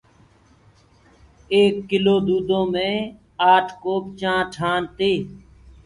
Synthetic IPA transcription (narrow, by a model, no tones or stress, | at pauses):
eːkːɪloːd̪uːd̪õːmẽː | aːʈʰkoːp̚t͡ʃãːʈʰaːnt̪eː